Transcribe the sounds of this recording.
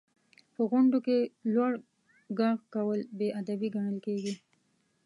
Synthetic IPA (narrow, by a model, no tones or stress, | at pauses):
pəɣʊɳɖokelwaɽ | ɡɑɣkawəlbeʔad̪abiɡaɳəlkeɡi